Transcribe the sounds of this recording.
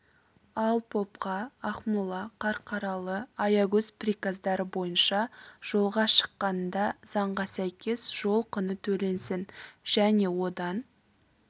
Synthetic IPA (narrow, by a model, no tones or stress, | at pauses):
ɑlˠpʰo̞pqɑːχmulˠɑqʰɑɾqʰɑɾɑlˠəɑjɑɡɵzprikazd̪ɑɾəbo̞jənʃɑʒ̥o̞lˠʁɑʃə̥qːɑnd̪ɑz̥ɑɴʁɑsæjkʲʰe̞sʒ̥o̞lˠqʰənət̪ʰɵle̞nsɪnʒ̥æne̞wo̞d̪ɑn